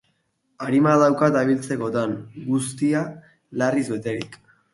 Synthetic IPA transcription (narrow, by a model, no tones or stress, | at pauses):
aɾimaðawkat̪aβ̞ilt͡se̞ko̞t̪aŋɡust̪ia | larizβe̞t̪e̞ɾik